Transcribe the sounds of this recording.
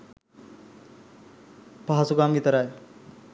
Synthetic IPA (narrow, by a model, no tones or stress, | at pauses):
paɦasukaːmɡit̪ɐɾaj